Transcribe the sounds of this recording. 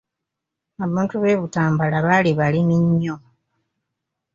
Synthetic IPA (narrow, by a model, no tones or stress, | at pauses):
aβaːntuβe̞ːβutaːmbalaβaliβalimiɲːo